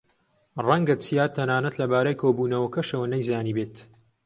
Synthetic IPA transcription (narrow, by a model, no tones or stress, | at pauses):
rɐŋɡɐt͡sijaːt̪ʰːɐnaːnɐt̪lɐbaːɾajkʰoːbuːnɐwɐkɐʃɐwɐnɐjzaːniːbeːt̪